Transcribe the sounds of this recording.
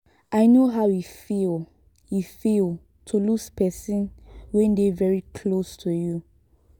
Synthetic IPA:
ʔaɪnoɦaʊjifil | jifilˠ | tʰuluspɛsĩnwɛ̃ndevɛɹikʰlostʰuju

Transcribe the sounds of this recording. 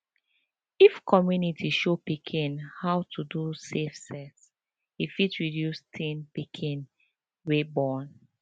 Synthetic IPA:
ifkʰɔmjunitʰiʃopikʰĩnhawtʰudusefsɛts | ifitɹidjustʰĩnpikʰĩn | webɔn

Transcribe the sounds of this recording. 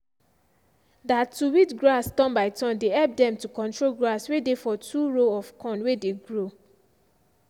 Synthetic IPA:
datːuwitɡɹastɔ̃nbaɪtɔ̃ndeɛlp̚dɛ̃mtukɔ̃ntɹolɡɹaswedefɔtʰuɹoɔfkʰɔ̃nwedeɡɹo

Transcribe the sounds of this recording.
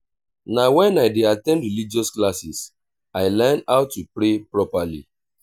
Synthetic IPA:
nawɛ̃naɪdeatɛ̃ndɹilid͡ʒɔsklasis | aɪlɛnaʊtːupɹepɹɔpalḭ

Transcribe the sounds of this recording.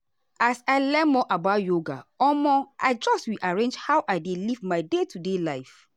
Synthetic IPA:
asaɪlɛmɔʔabajoɡa̰ɔmɔʔaɪd͡ʒɔstwiʔaɹẽnd͡ʒhawʔaɪdelivmaɪdetʰudelaɪf

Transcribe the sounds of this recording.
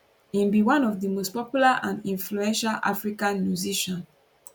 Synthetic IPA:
ĩmbiwãnɔvdəmost̚pɔpjulaʔãnĩnfluɛ̃nʃalʔa̰fɹikãnmjuziʃɔ̃n

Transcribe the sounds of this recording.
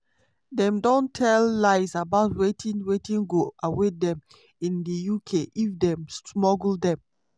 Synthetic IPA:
dɛ̃mdɔ̃ntʰɛlːaɪsabaʊtwetʰĩnwetĩŋɡoawedɛ̃m | ĩndəjukʰeʔifdɛ̃msmɔɡl̩dɛ̃m

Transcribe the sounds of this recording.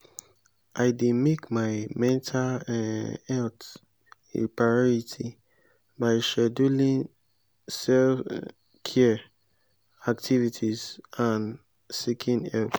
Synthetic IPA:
ʔaɪdimekmaɪmɛ̃ntʰal | ɛlt | ḛpʰɹaɔɹitʰi | baɪʃɛdulĩn | sɛlf | kʰɛ | ak̚tʰivitʰizãn | sikʰĩnɛlt

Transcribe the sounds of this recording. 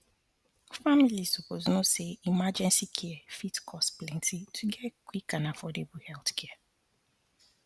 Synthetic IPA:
familizsupoznʊ̃seimad͡ʒɛ̃nsikʰɛɛfitkʰɔstplɛ̃ntʰitʰuɡɛkwikãnafɔdebuhɛlθkʰɛ

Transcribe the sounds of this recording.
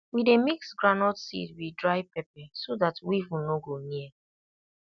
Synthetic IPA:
widemiksɡɹanɔtsḭtwidɹaɪpɛp̚ɛsodatwiivũnoɡoniɛ

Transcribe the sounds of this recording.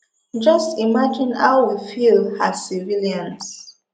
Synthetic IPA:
d͡ʒʌstimad͡ʒĩna̰ʊwifilhasiviljãns

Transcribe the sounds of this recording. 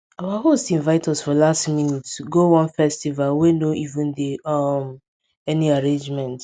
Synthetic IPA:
awaɦostĩnvaɪtɔsfɔlastminitɡowɔ̃nfɛstivalwenoʔivũndeʌm | ɛniaɹẽnd͡ʒmɛ̃nt

